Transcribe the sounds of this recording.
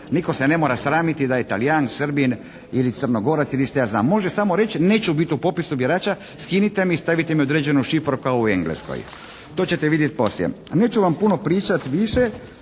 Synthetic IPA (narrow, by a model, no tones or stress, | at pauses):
niko̞sene̞mo̞ːɾasɾaːmit̪id̪ajet̪alijaŋsr̩bin | ilit̪sər̩noɡo̞ɾat̪siliʃt̪ejazna̰ːmːo̞ʒesamo̞ɾe̞t͡ɕne̞ːt͡ʃubit̪iupo̞pisubjeɾaːt͡ʃa | skinit̪emiːst̪aʋit̪emiod̪ɾeːd͡ʑenuʃifɾukaoueŋɡlḛsko̰j | t̪o̞ːt͡ɕe̞t̪eʋid̪jet̪̚po̞sljḛne̞ːt͡ɕuʋampuno̞pɾiːt͡ʃat̪ʋiʃe